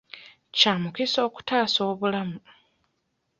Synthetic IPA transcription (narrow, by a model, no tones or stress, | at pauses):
caːmukiso̞ːku̥taːso̞ːβulamu